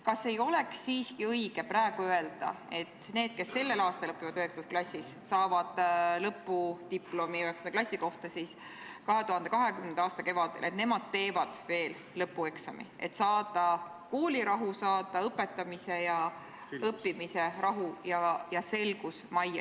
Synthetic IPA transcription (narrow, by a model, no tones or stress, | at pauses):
kɑse̞jo̞le̞ksːiːskiɤiɡ̥e̞pɾæeɡ̥uøe̞ld̪̥ɑ̰e̞t̪ːne̞ːd̪̥ke̞sːe̞lːe̞lɑːst̪ɑlɤpːˑivɑd̪̥yhekst̪ɑsklɑsʲːissɑːvɑd̪̥lɤpːˑut̪ipːˑlo̞miyɦɛksɑnd̪ɑklɑsʲːiko̞ht̪ɑsis | kɑɦe̞t̪uhɑnd̪̥e̞kɑɦe̞kymnend̪̥ɑːst̪ɑke̞vɑd̪̥elʔe̞t̪ne̞mɑd̪̥̚t̪e̞ːvɑd̪̥ve̞ːl | lɤpːue̞ksɑ̰mḭe̞̰t̪sɑːd̪̥ɑ | koːliɾɑɦusɑːd̪̥ɑɤpːe̞t̪ːˑɑmise̞jɑ | ɤpːimiserɑɦujɑjɑse̞lɡ̥usmɑjɑ̰